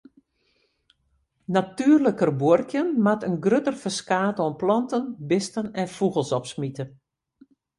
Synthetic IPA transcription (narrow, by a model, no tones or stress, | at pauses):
natyːərləkərbuərkjənmatənɡrøtərfəskaːtoənplɔntənbɪstənɛnfuɣəlˠsɔpsmitə